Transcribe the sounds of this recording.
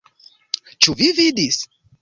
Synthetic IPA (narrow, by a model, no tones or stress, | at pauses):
t͡ʃuvivid̪is